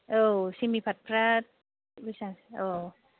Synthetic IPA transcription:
ʔəsimipʰat̪̚pʰɾat̪̚ | wisaʔoː

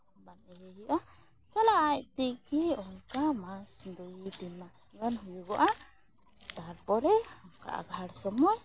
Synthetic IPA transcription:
banɛjɛjiʔa | t͡ʃalaʔajt̪ikiɔŋkamasd̪ujit̪inmasɡanɦujuɡɔʔa | t̪aɾpɔɾɛɔŋka̰ʔa̰ɡʱaɽsɔmɔj

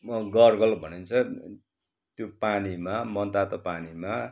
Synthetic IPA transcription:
ɡʌrɡʌlbʱʌnent͡sʰʌ | t̪jopanimamʌnt̪at̪ʌpanima

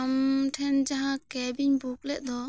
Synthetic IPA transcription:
mʈʰɛnd͡ʒaɦãkɛbiɲbuk̚lɛʔ̚d̪ɔ

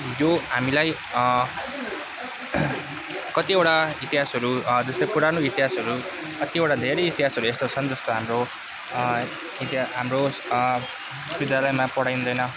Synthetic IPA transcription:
joɦamilaj | kʌt̪ieʈait̪iɦasʌɾud͡zʌslojpuɾanoit̪iɦasʌɾu | kʌt̪ioʈad̪ʱeɾʌjit̪iɦasʌɾuest̪ot͡sʰʌnd͡zʌst̪oɦamro | it̪iaɦamro | bid̪jalʌjmapʌɽajnũnd̪ʌjnʌ

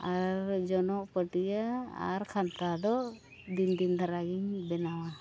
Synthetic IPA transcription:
aɾd͡ʒɔnɔʔpəʈijaa̰ɾkʰant̪ad̪ɔ | d̪ind̪ind̪ʱaɾaɡiɲbɛnawa

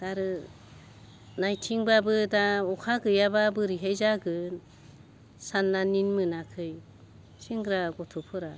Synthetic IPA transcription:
d̥aɾɯ | najtʰiŋbabɯdaɔkʰaɡɯjababɯɾiɦejzaɡɯ | sanːaninmɯnakʰɯj | siŋɡɯɾaɡɔtʰupʰɯɾa

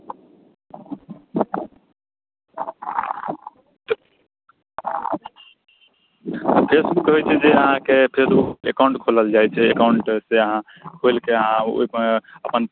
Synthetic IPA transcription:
pʰesmut̪ɦojt͡ʃʰɛd͡ʒeəɦãkepʰesuekawɳʈkʰoləld͡ʒajt͡ʃʰɛekawɳʈseəɦã | kʰojlkeəɦão̰iəpən

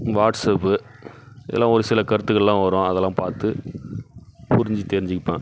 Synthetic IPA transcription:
ʋaːʈsɐpːɯ | ɪðɛlːãːɔɾɯsɪlɐkɐɾɯt̪ːɯɣɐɭlãːʋɐɾõːɐðɛlːãːpaːɾt̪ɯ | pʊɾɪɲd͡ʒit̪ɛɾɪɲd͡ʒɪkːɪpːẽː

